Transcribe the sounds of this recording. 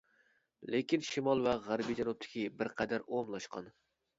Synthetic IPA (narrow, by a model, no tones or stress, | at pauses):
lekʲinʃimɑlˠvɛʁæɾbijd͡ʒɛnup̚t̪ʰɪ̥kʲibɪɾqʰæd̪æɾomlˠɑʃqʰɑ̰n